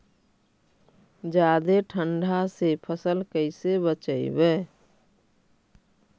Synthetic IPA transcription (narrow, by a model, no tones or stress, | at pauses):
d͡ʒad̪eʈʰəɳɖʱasepʰəsəlkəɪsebət͡ʃəɪ̰bɛ